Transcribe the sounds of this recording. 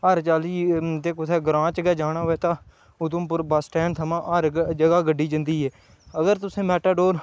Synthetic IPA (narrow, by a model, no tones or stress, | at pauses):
əɾt͡ʃaːliːt̪eːkʊt̪ʰɛːɡəɾãːt͡ʃɡɛːd͡ʒaːɽaːɦoɛːt̪ãː | ʊd̪ʊ̃mpəɾbaːsʈɛːnt̪ʰəmãːʔəɾd͡ʒəɡaːɡəɖːiːd͡ʒənd̪iːɦɛː | əɡəɾt̪ʊsẽːmɛːʈaːɖoːɾ